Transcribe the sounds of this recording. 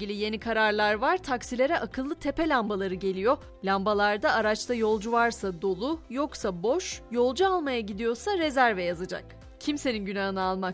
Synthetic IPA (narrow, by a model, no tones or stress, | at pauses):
ilʲije̞nikʰaɾaɾlˠaɾvaɾ̥t̪ʰaksilʲe̞ɾɛʔakʰɯlˠːɯt̪ʰe̞pelʲambalˠaɾɯɟe̞lʲijo̞ | lʲambalˠaɾd̪aːɾat͡ʃt̪ʰajo̞lˠd͡ʒuvaɾsad̪o̞lˠʊjo̞ksabo̞ʃjo̞lˠd͡ʒualˠmajaɟid̪ijo̞saɾe̞zæɾvɛjazad͡ʒa̰k̚ | cʰimse̞ninɟynaɦɯnaalˠmak